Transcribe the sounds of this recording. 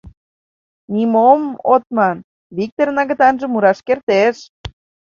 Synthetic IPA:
nʲimomot̪̚mɑn | βik̚t̪ornɑɣə̆t̪ɑnʒə̆muɾɑʃkert̪eʃ

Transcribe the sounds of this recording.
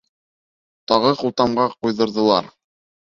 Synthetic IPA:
t̪ɑʁɤqulˠt̪ɑmɢɑqujðɤ̆ɾðɤ̆lˠɑ̰ɾ

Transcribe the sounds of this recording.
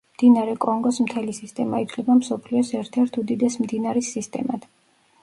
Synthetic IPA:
md̪̥inaɾɛkʼɔŋɡɔsmt̪ʰɛlisist̪ʼɛma̰it̪ʰlɛbamsɔpʰliɔsɛɾt̪ʰɛɾt̪ʰud̪id̪ɛsmd̪inaɾisːist̪ʼɛ̰mat̪ʰ

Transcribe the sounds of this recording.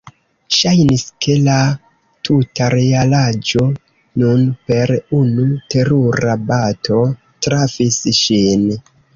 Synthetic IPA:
ʃajniske̞la | tʰutaɾealad͡ʒo̞ | nunpe̞ɾunute̞ɾuɾabatʰo̞ | tɾafisʃin

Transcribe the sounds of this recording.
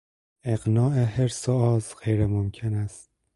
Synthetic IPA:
eɣnɒːʔeɦeɾsoɒːzɢejɾemomcʲʰenæst̪̚

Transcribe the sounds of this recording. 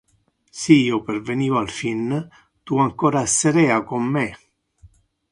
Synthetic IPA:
sijːoperveniːvoalfin | t̪uaŋkoːɾaseɾɛakomːe

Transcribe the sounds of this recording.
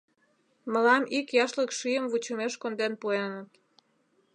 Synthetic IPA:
məlɑmikjɑʃləkʃyjəmvut͡ɕəmeʃkond̪enpuenət̪

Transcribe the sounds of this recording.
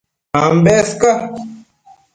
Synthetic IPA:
ambeːska

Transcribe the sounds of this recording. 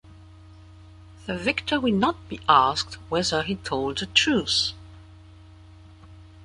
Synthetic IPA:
ðɨvɪktʰə˞wɨdⁿnət̚b̥iʔæsk̚t̚wɛðə˞itʰoʊlˠd̪̚ðɨtʰɹ̥ʉs

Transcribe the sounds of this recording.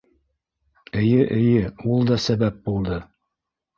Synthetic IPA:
ɘ̆jɘʔɘ̆jɘulˠd̪ɒsæβæp̚bulˠd̪ɤ

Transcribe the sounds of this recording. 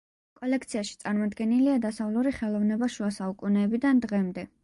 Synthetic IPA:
kʼɔlɛkʰt̪sʰiaʃi̥t̪sʼaɾmɔd̪ɡɛniliad̪asavluɾiχɛlˠɔvnɛbaʃuasaukʼunɛːbid̪and̪ʁɛmd̪ɛ

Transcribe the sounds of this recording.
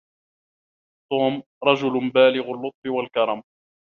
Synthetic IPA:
t̪uːm | ɾˤɑd͡ʒʊlʊbaːlɪɣʊlːʊt̪ˤfɪwalkɑɾˤɑm

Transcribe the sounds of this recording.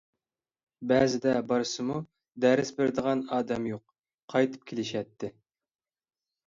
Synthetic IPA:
bɛzɪd̪ɛbɑɾɨsɨmu | d̪ɛɾɪsbeɾd̪əʁɑnɑːd̪ɛmjoq̚ːʰ | ɑjt̪ʰɨ̥p̚kʲʰelɪʃɛt̪ʰːɪ

